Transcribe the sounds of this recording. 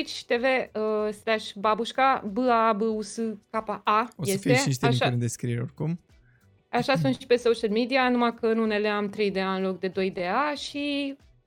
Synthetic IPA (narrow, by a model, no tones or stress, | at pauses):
it͡ʃʲt̪e̞ve̞əslaʃbabuʃkabɨabɨusɨkapaʔaojesieʃiʃt̪eaʃand̪eskɾieɾorkum | aʃasunʃi̥pe̞soʃəlmid̪ianumakəɨnune̞le̞amt̪ɾe̞jd̪e̞aɨnlo̞kd̪e̞d̪o̞jd̪e̞aʃi